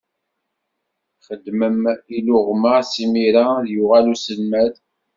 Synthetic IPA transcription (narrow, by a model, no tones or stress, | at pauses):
χəd̪ːməmilʊʁməsimiɾaðjʊʁælusəlmæð